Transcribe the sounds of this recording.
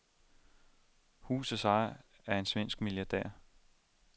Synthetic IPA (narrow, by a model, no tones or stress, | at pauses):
hṵːsəsɑ̈ɪ | æɐe̝nsʋen̰sɡ̥miljɑ̈d̥ɛ̰ːɐ̰